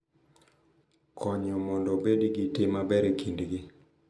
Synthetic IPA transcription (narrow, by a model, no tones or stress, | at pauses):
kʰɔɲɔmɔndɔbedɡitɪmabɛɾekʰindɡɪ